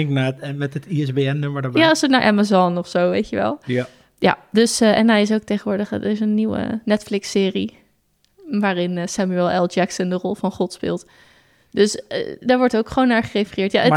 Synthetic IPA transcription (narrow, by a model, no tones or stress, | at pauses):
ɪŋknamɛtətiɛsbeɛnːømədɔjasəna̰ɹʔa̰mazɔnɔfsowʋejtəʋɛ̰lˠ | ja̰dɵsɛnɦɛjɪs̬owk̚tejχənʋʊːɹdəχədɪs̬ənːiwə̰nɛtflɪksɪːri | ʋaːrɪnsaːmyɛlˠɛlˠd͡ʒɛksəndərɔlˠvɑnχɔtspɪ̰ːlˠt | dɵsdaːɹʋɔɹtowkχəʋownaɹχərejfərɪːɹtjaʔə